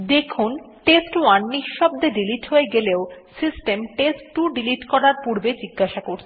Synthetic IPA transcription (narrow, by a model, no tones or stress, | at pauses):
d̪ekʰun | ʈesʈwanːiʃʃːɔb̚d̪eɖiliʈɦoeɡeleosisʈemʈesʈːuɖiliʈkɔɾaɾpuɾbed͡ʑiɡːaʃakoɾt͡ɕʰe